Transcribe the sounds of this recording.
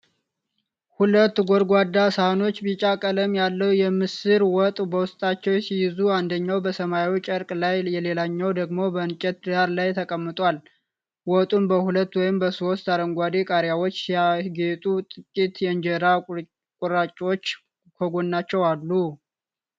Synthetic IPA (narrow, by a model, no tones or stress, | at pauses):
hulət̪ːɡoɾɡʷad̪ːasahno̞t͡ʃːbit͡ʃʼakʼələmjalːəwjɛmɨsɨɾwɔt̪ʼbəwʊst̪ʼat͡ʃːɛwjsijɪzuand̪əɲːawbəsəmajit͡ʃʼəɾkʼlajjɛle̞laɲːɛwd̪əɡmo̞bəɨnt͡ʃʼɛt̪̚d̪aɾlajt̪ʰəkʼəmːɨt̪ʼal | wɔt̪ʼunbəhulət̪ːwɔjɪmbəso̞st̪aɾəŋɡʷad̪e̞kʼaɾjawot͡ʃːaɡe̞t̪ʼut̪ʼɨkʼːit̪jɛɨnd͡ʒɛɾa | kʼuɾat͡ʃʼot͡ʃː | kʰoɡo̞nːat͡ʃːɛwalːu